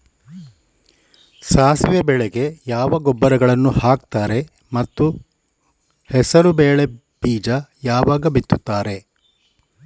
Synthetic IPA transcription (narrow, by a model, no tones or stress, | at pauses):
saːsʋjɐbɛɭeɡe̞jaːʋɐɡɔbːɐɾɐɡɐɭɐnːuhaːkt̪aːɾe̞ | mɐt̪ːu | hɛsɐɾubeːɭe̞ | b̥iːd͡ʒɐjaːʋaːɡɐbit̪ːut̪ːaːɾe̞